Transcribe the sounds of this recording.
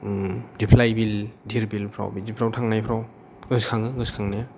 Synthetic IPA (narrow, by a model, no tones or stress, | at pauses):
dipʰlajbildʱiɾbilpʰɾa̰wbizipʰɾawtʰaŋnajpʰɾaw | ɡɯskʰaŋɯɡɯskʰaŋnaja